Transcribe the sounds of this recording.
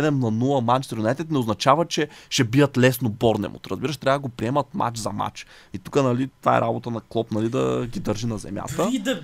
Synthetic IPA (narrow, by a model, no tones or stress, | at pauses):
ɛd̪ɛmnɐnulˠɐmat͡ʃsɾunɛt̪ɛt̪nɛoznɐt͡ʃavɐt͡ʃɛʃɛbiɐt̪lɛsnobɔɾnɛ̰mo̰t̪ɾə̰zbiɾəʃt̪ɾʲavəd̪əɡopɾiɛmɐt̪ma̰t͡ʃzɐma̰t͡ʃ | it̪u̥kənɐlit̪vaɛ̰ɾabot̪ənɐklˠɔpnɐlid̪ɐ̰ɡid̪ɤɾʒinɐzɛ̰mʲja̰t̪əd̪